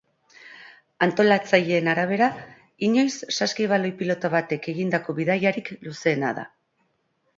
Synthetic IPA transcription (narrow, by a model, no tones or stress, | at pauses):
ant̪o̞lat͡saʎe̞ːnaɾaβ̞e̞ɾa | iɲo̞jsːaskiβ̞alo̞jpilo̞t̪aβat̪e̞ke̞ɣind̪ako̞βiðajaɾikluse̞ːna̰ða̰